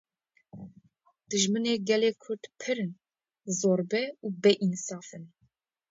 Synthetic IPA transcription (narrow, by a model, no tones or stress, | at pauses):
d̪̥ɨʒmɨneːɡɛleːkʰʊɾd̪pʰɨɾɨn | zoːɾbɛuːbɛʔinsɑːfɨn